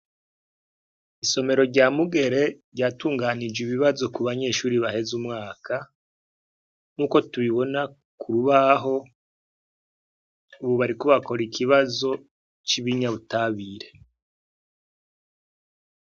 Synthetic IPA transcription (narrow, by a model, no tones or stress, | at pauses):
iso̞me̞ɾo̞ɾɟamuɡe̞ɾe̞ɾɟaːtuːŋɡanid͡ʒwiβiβazo̞kuβaɲe̞ːʃuːɾiβahe̞zumŋaːkʰa | ŋuːko̞tuβiβo̞na | kʰuɾuβaɦo̞ | uβuβaɾikuβako̞ɾikʰiβazo̞ | t͡ʃiβiɲaβutaβiːɾe̞